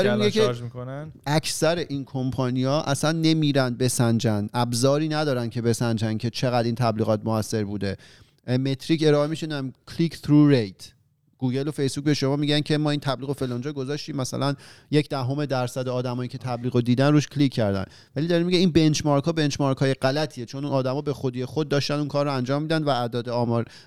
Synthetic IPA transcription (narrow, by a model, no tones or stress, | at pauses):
ɒɾemiɡekʰemikonæʔækʰsæɾeʔinkʰo̞mpʰɒːnijɒːʔæsænːe̞miːɾænd̪̚be̞sænd͡ʒænʔæbzɒːɾiːnæd̪ɒːɾæncʰe̞be̞sænd͡ʒæncʰe̞t͡ʃʰeɣæd̪iːnt̪ʰæbliːɣɒːt̪̚moæsːe̞ɾbuːd̪e̞ | me̞t̪ʰɾice̞ɾɒːemiʃind̪æmcʰliːkt̪ɾuːɾejt̪ʰ | ɡ̥uːɡelofe̞jsbuːc̚be̞ʃo̞mɒːmiɟæncʰe̞mɒːiːnt̪ʰæbliːɣo̞felɒːnd͡ʒɒːɡo̞zɒːʃt̪iːmːæsæ̰lænjecʰd̪æɦo̞me̞d̪æɾsæd̪eɒːd̪æmɒːjiːcʰe̞t̪ʰæbliːɣod̪iːd̪ænɾuːʃkʰlikʰːæɾd̪æ̰n | væliːd̪ɒɾemiɟeiːnbe̞nt͡ʃʰmɒːɾkʰɒːbe̞nt͡ʃmɒːɾkhɒːje̞ɢælæt̪ʰiet͡ʃʰo̞nunɒːd̪æmɒːbe̞xod̪iːje̞xod̪̚ːɒːʃt̪ænd̪uːnkʰɒːɾːoænd͡ʒɒːmːiːd̪ænd̪væːd̪ɒːd̪eɒːmɒːɾ